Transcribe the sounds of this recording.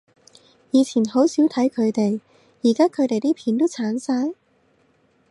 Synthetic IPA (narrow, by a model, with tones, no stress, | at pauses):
jiː˨˧t͡sʰiː˨˩nho˨˥wsiː˨˥wt̪ʰɐ˨˥jkʰɵ˨˧ɥt̪e˨j | jiː˨˩kaː˥kʰɵ˨˧ɥt̪e˨jt̪iː˥pʰiː˨˥nt̪o˥wt͡sʰaː˨˥nsaː˧j